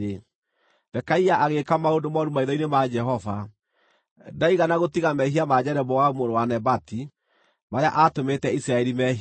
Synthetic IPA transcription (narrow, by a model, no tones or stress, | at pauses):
e | bɛkaiaʔaɣekamaondomaɔɾumaiðɔinemad͡ʒɛɦɔva | daiɣanaɣotiɣamɛɦiamad͡ʑɛɾɛbɔwaumoɾowanɛbati | maɾea̰ʔatometɛisɾaɛɾimɛɦi